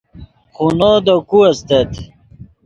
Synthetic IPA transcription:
χunod̪okuɐst̪et̪

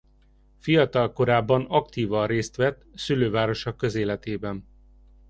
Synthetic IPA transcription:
fijɒt̪ɒlko̞ɾaːbːɒnɒkt̪iːvɒreːst̪ʋɛt̪ːsyløːvaːɾo̞ʃokːøzeːlɛt̪eːbɛn

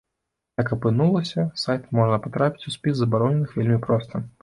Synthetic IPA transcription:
jakɐpɨnulˠɐsʲɐsajt̪mɔʐnɐpat̪ɾapʲi̥t͡sʲusʲpʲizzɐbaɾɔnʲɛnɨxvʲelʲmʲipɾɔst̪ɐ

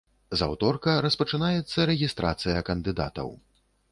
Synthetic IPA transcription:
za̰wt̪ɔrkɐɾɐspɐt͡ʂɨnajɛt̪sːɐɾɛɣʲist̪ɾa̰t̪sɨjɐkɐnd̪ɨd̪a̰t̪ɐ̰w

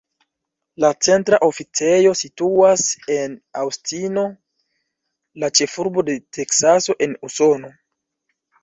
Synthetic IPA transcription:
lat͡se̞ntɾaʔo̞fit͡se̞jo̞situase̞nawstino̞ | lat͡ʃe̞fuɾbo̞de̞tʰe̞ksaso̞ʔe̞nuso̞no̞

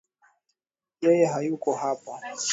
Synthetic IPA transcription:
jɛjɛɦajukɔɦapɔ

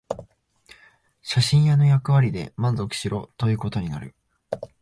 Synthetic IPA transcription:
ɕaɕĩɰ̃jano̞jakɯ̟βaɾʲid̪e̞̰mãnzo̞kɯ̟̥ɕiɾo̞t̪o̞jɯ̟ːko̞t̪o̞ɲ̟ina̰ɾɯ̟̰

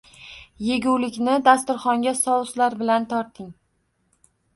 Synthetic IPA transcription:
je̞ɡʲuwlɪkʲnɪd̪ast̪ʊɾχɒŋɡʲasɒwˠʊslaɾbɪlant̪ʰɒɾt̪ɪŋ

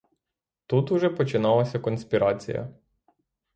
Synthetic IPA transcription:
t̪ut̪ʊʒɛpɔt͡ʃɪnɑlˠɐsʲɐkɔnsʲpʲiɾɑt͡sʲḭjɐ̰

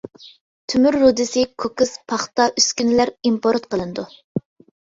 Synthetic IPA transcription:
t̪ʰymyɾːud̪ɪsɪkʰokɨspʰɑχt̪ɑʔyskʲynɪlæɾimpʰoɾt̪̚qʰəlˠɨnɨd̪u

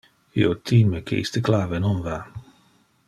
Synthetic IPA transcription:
ḭot̪ʰiːmekʰḛʔḭst̪eklaːvenonva

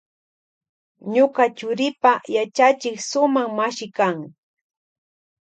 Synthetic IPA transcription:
ɲokat͡ʃʊɾɪpajat͡ʃat͡ʃɪksʊmaŋmaʃɪkaŋ

